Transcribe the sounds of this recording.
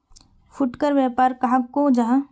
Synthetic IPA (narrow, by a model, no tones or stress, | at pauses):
fʰʊʈkəɾʋjaːpaːɾkɐɦãkod͡ʒɐɦã